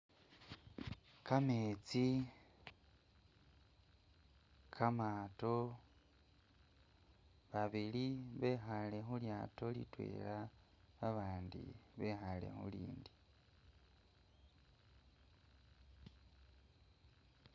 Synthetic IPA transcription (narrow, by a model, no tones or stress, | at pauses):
kameːt͡si | kʰamaːto̞ | βaβiliβe̞xale̞xuljato̞lḭtwḛːla | βaβaːndḭβe̞xale̞̰xṵliːndi